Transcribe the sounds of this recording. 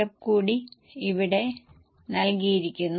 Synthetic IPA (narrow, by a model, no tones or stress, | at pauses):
ɐpkuːɽi | iʋiɽe̞ | nɐlkijiɾikʲːunː